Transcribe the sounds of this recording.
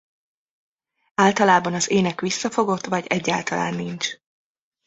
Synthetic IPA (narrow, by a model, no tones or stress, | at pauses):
aːlt̪ɒlaːbɒnɒzeːnɛkʋisːɒfo̞ɡo̞t̪ːvɒɟɛɟːaːlt̪ɒla̰ːnːint͡ʃ